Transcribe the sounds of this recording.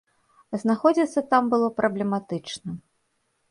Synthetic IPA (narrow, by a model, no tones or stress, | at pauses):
znaxɔd͡zʲit̪sːɐt̪ambɨlˠɔpɾʔɐblʲɛmat̪ɨt͡ʂnɐ